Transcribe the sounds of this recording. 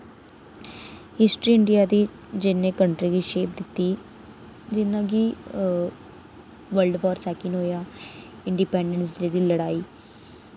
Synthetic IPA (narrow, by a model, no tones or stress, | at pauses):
hɪsʈɾiːɪɳɖɪjaːd̪iː | d͡ʒɪnẽːkəɳʈɾiːɡiːʃeːp̚d̪ɪt̪ːiː | d͡ʒɪnãːɡiː | ʋəlɖʋaːɾsɛːkɪnɦoːjaː | ɪ̃ɳɖipɛːɳɖəns̬d̪eːd̪iːləɽaːiː